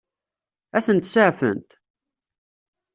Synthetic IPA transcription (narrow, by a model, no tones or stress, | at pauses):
æθənt̪səʕfə̰nt̪